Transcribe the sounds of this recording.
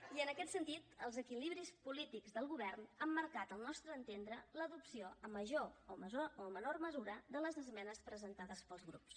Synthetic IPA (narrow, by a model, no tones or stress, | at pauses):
iənəkɛt̪sənt̪it̪əlˠzəkiliβɾispulit̪iɡzðəlˠɣuβɛrnəmːəɾkat̪əlˠnɔst̪ɾəːnt̪end̪ɾələðupsioəmːəʒooməzooəmənorməzuɾəd̪ələzəzmɛnəspɾəzənt̪aðəspəlˠzɣɾṵps